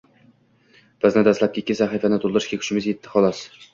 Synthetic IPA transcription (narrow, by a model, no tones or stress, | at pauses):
b̥ɪznɪd̪aslap̚kʲɪːkʲːɪsaχifanɪt̪ʰolˠd̪ɪɾɪʃkʲakʲʰʊ̥ʃɪmɪzjet̪ʰːɪ̥χɒlˠɒs